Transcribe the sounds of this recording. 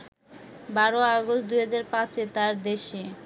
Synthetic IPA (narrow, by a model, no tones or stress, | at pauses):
baɾoaɡost̚d̪ujɦad͡ʑaɾpãt͡ɕet̪aɾd̪eʃe